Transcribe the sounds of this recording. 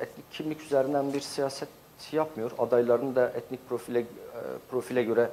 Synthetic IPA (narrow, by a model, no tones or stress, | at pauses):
ɛt̪nicʰːimlʲicʰyzeɾind̪ænbiɾsijaːsɛt̪ | japmɯjo̞ɾad̪ajlˠaɾɯnɯd̪aʔɛt̪nic̚pɾofi | pɾo̞filʲɛɟø̞ɾɛ